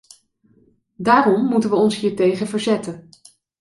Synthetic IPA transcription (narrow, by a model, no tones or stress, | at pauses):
daːrɔmːutənʋəɔnsɦiːɹtejχəvəɹzɛtən